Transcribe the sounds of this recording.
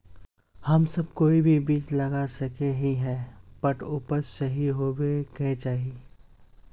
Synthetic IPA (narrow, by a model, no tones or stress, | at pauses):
hɐmsɐb̚koːibʱibiːt͡ʃlɐɡasɐkeɦĩɦɛpɐʈʊːpəɾsɐɦiɦoːbekɛ̃t͡ʃaːɦie